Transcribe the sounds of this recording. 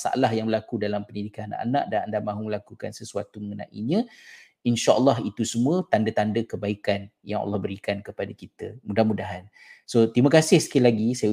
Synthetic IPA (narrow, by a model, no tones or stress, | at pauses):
sa̰ʔa̰lahjaŋbəlakudalampənidikanana̰ʔa̰na̰ʔdanandahmãɦuməlakukansəsua̰t̪uməŋənã̰ʔḭɲə̃ | inʃaʔəlːɑɦit̪usəmũət̪andət̪andəkəbaikanjaŋa̰lːɑhbəɾikankəpadakit̪əmudahmudaɦan | sot̪iməkasɪhsə̥kilaɡisaja